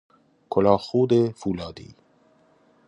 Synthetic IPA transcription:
kʰolɒːxuːd̪efuːlɒːd̪ḭː

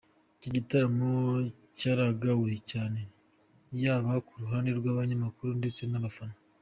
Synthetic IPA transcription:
iciɟitaɾamo | caɾaɡawecaːne̞ | jaːβakuɾuɦaːndeɾɡwaːβaɲamakuɾunde̞t͡se̞naβafano

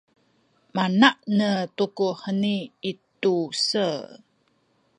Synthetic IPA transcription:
manaʔnətukuħəniitusə

